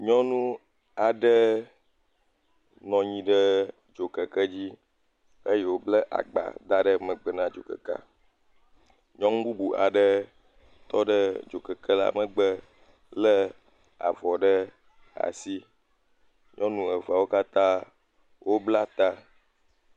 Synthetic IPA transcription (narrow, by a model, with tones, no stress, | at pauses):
ɲɔ̃˦nũ˦ | a˨ɖə˦ | nɔ̃˨ɲĩ˦ɖə˦ | d͡ʒo˨kə˨kə˦d͡ʑi˦ | ə˦je˦wo˦blə˦ʔa̰˨ɡ͡ba̰˨d̪a˦ɖə˦mə̃˨ɡ͡bə˨nã˦d͡ʒo̰˨kə̰˨ka̰˦ | ɲɔ̃˦ŋ̩˦bu˦bu˨ʔa̰˨ɖə˦ | t̪ɔ˦ɖə˦d͡ʒo˨kə˨kə˦la̰˦mə̃˦ɡ͡bə˦ | lə˦ | a̰˨vɔ˨ɖə˦ | a̰˨si˦ | ɲɔ̃˦nũ˦ə˨va˨wo˦ka˦t̪ã˦ | wʔo˦bla˦t̪a˦